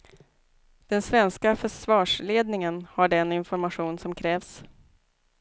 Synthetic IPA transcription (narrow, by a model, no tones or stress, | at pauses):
d̪̥ɛnsvɛnskafœʂvɑːʂleːd̪nɪŋənhaɖɛnɪnfɔɾmaɧuːnsɔmkʰɾɛːvs